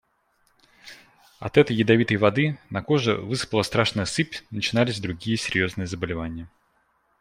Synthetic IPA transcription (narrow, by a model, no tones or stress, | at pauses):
ɐ̰t̪ɛt̪əjːɪd̪ɐvʲit̪əjvɐd̪ɨnɐko̞ʐɨ̰vɨsɨ̥pəlˠəst̪ɾaʂnəjəsɨpʲnət͡ɕɪnalʲɪzʲd̪ɾʊɡʲijəsʲɪɾʲjo̞znɨjəzəbəlʲɪvanʲɪjə